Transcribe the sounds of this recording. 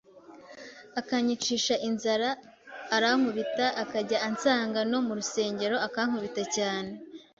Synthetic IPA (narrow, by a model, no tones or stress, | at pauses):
akaɲit͡ʃiːʃaʔinzaɾaː | ɾaŋ̥uβitaʔakaɟaʔant͡saːŋɡano̞muɾuse̞ːɲɟe̞ɾo̞akaŋ̥uβitacaːne̞